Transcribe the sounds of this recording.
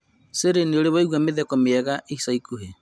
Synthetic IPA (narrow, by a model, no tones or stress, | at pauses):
seɾenioɾeβaiɣwameðɛkɔmeɛɣaʔisaikuɦe